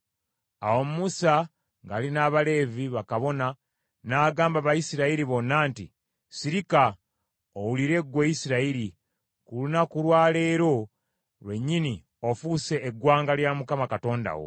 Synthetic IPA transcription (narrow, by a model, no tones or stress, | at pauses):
a̰wo̞mumusa | ŋɡaːlinaːβale̞ːviβakaβo̞na | naːɡaːmbaβajisiɾaiɾiβo̞nːaːnti | siɾika | owuliɾe̞ɡwejisiɾaiɾi | kulunakulwaːle̞ːɾo̞ | lwe̞ɲːini | o̞fuse̞ːɡwaːŋɡaljamukamakato̞ːnda̰wo̞̰